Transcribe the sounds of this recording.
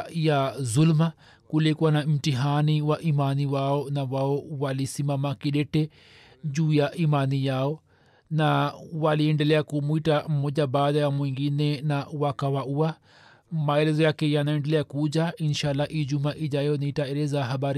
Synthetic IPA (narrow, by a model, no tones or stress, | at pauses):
jazulma | kulikuwanam̩tiɦaniwaʔimaniwaɔnawaɔwalisimamakiɗɛtɛ | ʄuːjaʔimanijaɔ | nawaliɛndɛlɛakumuitam̩mɔʄabaːɗajamwiŋɡinɛnawakawaua | maɛlɛzɔjakɛjanaɛndɛlɛakud͡ʒainʃalːaʔiʄumaʔiʄajɔniitaɛlɛzaɦaɓaɾi